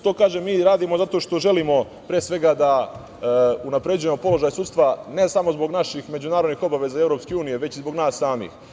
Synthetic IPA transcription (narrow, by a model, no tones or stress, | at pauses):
t̪oːkaːʒemiːɾaːd̪imozat̪o̞ːʃt̪o̞ʒe̞limo̞ | pɾeːsʋe̞ɡad̪a | unapɾe̞d͡ʑuje̞mo̞po̞lo̞ʒajsuːt̪st̪ʋane̞samo̞zbo̞ɡnaʃixme̞d͡ʑunaːɾo̞d̪nixo̞baʋe̞zaevɾo̞pske̞uːnijeʋe̞t͡ɕizbo̞ɡnaːsːaːmḭːx